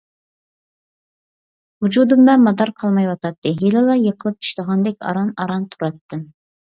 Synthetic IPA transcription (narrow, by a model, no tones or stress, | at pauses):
hud͡ʒud̪ɨmd̪ɑmɑd̪ɑɾqʰɑlˠmɑjwɑt̪ʰɑt̪ːɨɦelɪlˠɑjəqʰəlˠɨp̚t͡ʃʰi̥ʃt̪əʁɑnd̪ɛkʲɑ̰ɾɑnɑɾɑnt̪ʰuɾɑt̪ːɨm